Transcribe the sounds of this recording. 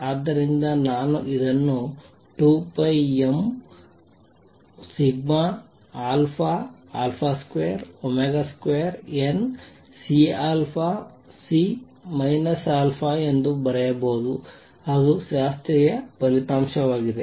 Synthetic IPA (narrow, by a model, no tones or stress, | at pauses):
aːd̪ːɐɾind̪ɐnaːnuʔid̪ɐnːu | ʈuːpɐjem | siɡma | aːlpʰaaːlpʰaːskʋejɐɾomeɡaskʋejɐɾen | siaːlpʰa | si | mɐjnɐsaːlpʰae̞nd̪ubɐɾɛjɐboːd̪u | aːɡuʃaːst̪ɾijɐpɐlit̪aːmʃɐʋaːɡid̪e̞